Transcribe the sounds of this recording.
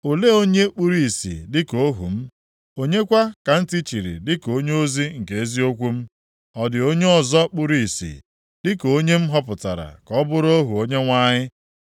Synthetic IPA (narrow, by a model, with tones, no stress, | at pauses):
o˨le˦o˦ɲe˦k͡pu˦ɾi˨i˨sḭ˨dɪ˦ko˦ɦṵ˨m̩˦ | o˦ɲe˦kʷa˦ka˨n̩˦ti˦t͡ʃi˨ɾḭ˨dɪ˦ko˦ɲ˦o˦zi˦ŋ̩˨ke˨e˦zi˦o˦kʷu˦m̩˦ | ɔ˨dɪ˨o˦ɲe˦ɔ˨zɔ˦k͡pu˦ɾi˨i˨sḭ˨ | dɪ˦ko˦ɲe˦m̩˦ɦɔ˦pʊ˨ta̰˨ɾa̰˨kɔ˦bʊ˦ɾo˦ɦu˨o˦ɲe˦ŋʷa˦ɲɪ˦